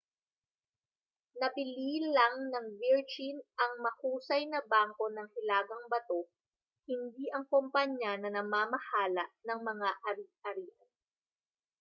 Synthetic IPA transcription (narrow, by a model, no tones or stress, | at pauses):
nɐbɪliːlɐŋnɐŋviɹd͡ʒinʔɐŋmɐkuːsɐjnɐbaːŋko̞nɐŋhɪlaːɡɐŋbɐt̪o̞ | hɪnd̪iʔɐŋkompɐɲanɐnɐmaːmɐhaːlɐʔnɐŋmɐŋaʔɐɾiɐɾiʔɐ